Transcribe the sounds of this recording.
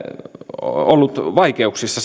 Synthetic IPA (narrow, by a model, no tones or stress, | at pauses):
olːut̪ʋɑikeuksisːɑ